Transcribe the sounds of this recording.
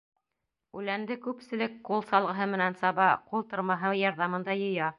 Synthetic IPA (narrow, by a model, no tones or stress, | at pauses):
ʉlænd̪ɘkʉpsɘ̆lɘkqulˠsɑlˠʁɤ̆ɦɤmɘ̆nænsɑβɑqulˠt̪ŏɾmɑɦɤjɑɾðɑmɤ̆nd̪ɑjɤ̆jɑ